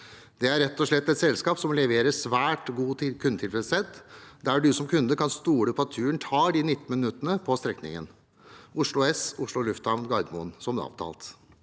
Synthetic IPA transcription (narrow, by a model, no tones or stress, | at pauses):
d̪̥ɛæɾːɛt̪ːɔʂɭɛt̪ːɛt̪sɛlskɑːpsɔmlɛʋeːɾəsʋæːʈɡuːkʰʉnd̪ət̪ʰɪlfɾɛsɛt̪ːd̪æɖʉsɔmkʰʉnd̪əkʰɑnst̪uːɽəpʰɔɑt̪ʰːʉːəɳt̪ʰɑːɖinɪt̪ːmɪnnʉt̪ːənəpʰɔst̪ɾɛknɪ̰ŋə̰n | ʔʊʂɭʊɛsʊʂɭʊlʉft̪ɑʋnɡɑɪd̪mʊ̰nsɔmd̪ɛ̰ːɔ̰ʋt̪ʰɑ̰ːlt̪